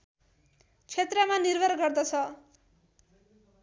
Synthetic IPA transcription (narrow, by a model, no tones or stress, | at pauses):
t͡sʰet̪rʌmanirbʱʌɾɡʌrd̪ʌt͡sʰʌ